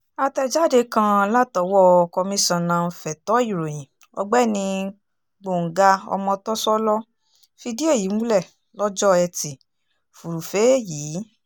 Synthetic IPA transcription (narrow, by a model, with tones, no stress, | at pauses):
a˧tɛ˧d͡ʒa˦de˧kã˧la˦tɔ˨wɔ˦˧kɔ˧mĩ˧˦sã˨nã˧fɛ˨tɔ˨˦i˦˨ɾo˨j̃ĩ˨ | ɔ̰˧ɡ͡bɛ˦nĩ˧˦ | ɡ͡bo˨ŋ̩˨ɡa˧ɔ̰˧mɔ̃˧tɔ˦sɔ˦lɔ˦ | fi˧di˦e˦˨ji˨˦mũ˦lɛ˦˨ | lɔ˦d͡ʒɔ˦ɛ˧ti˨ | fu˨ɾu˨fe˨˦jiː˨˦